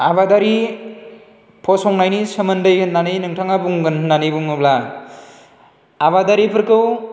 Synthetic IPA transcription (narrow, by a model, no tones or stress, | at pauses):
abadaɾi | pʰɔsɔŋnajnisəmɐndɯjɯnːanɯjnɯŋtʰaŋabuŋɡɯnnanɯjbuŋɯbla | abadaɾipʰɯɾkɯw